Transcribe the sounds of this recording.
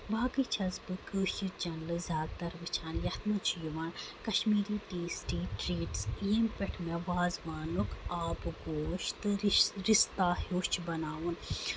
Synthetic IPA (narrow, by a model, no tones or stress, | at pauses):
baːkɨt͡ʃʰɐzbɨkɨʃit͡ʃɐnlɨzʲaːd̪̚t̪ɐɾʋɨt͡ʃʰaːnjɐt̪mut͡ʃʰijuʋɐːɳkɐʃmiːɾitiːsʈiːʈɾiːʈsjempʲɛʈʰmẽʋaːzʋaːnukʰaːpɡoːʃt̪ɨɾist̪aːhoːʃt͡ʃʰbɐnaːʋun